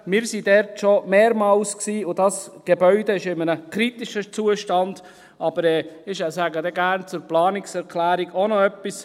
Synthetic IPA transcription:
mɪːɾsidɛɾtʃomeːɾmɑlsksiːʊdɑsɡ̥ebœʏdeɪʃɪmənəkɾitɪʃət͡suːəʃtɑnd̥ | ʔɑb̥əɾɛːɪʃasæːɡədɛɡæɾnt͡sʊɾplɑːnɪksɛɾkʰlæːɾiɡonɔœpːis

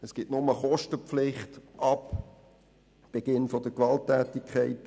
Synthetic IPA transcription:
əsɡ̥ɪtnʊməχɔʃtəpflɪχtʔɑp | b̥eɡ̥ɪnfɔdəkʋɑltːɛːtikʰχæɪt

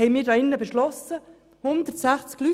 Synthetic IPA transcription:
ɛɪmiːɾdɑːɪnːəbeʃlɔsə | hʊnd̪ətsæχt͡skly

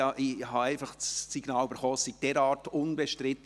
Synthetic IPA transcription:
ɑʔɪhɑæɪfɑχsiɡnɑːlybəɾχɔsid̥ɛɾɑːɾtʊnbɛʃtrɪt̪

